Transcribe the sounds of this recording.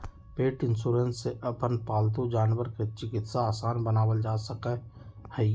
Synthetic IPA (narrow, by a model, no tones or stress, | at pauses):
peːʈɪnsuːɾensːeʔəpənpaːlt̪ud͡ʒaːnʋəɾket͡ʃɪkɪt̪saaːsaːnbənaːwəld͡ʒaːsəkɛ | hɛ